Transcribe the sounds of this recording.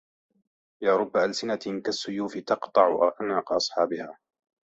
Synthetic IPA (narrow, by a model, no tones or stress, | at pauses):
jaːɾˤʊbːaʔalsɪnakasːʊjuːfɪt̪ɑqt̪ˤɑʕʔa̰ʕnaːqʔɑsˤħɑːbɪhaː